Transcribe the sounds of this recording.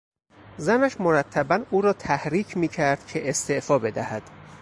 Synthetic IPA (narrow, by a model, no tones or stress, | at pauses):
zænæʃmo̞ɾæt̪ʰːæbænuːɾɒːt̪ʰæhɾiːcʰmiːcʰæɾd̪̥̚cʰe̞ʔest̪eʔfɒːbe̞d̪æhæd̪̥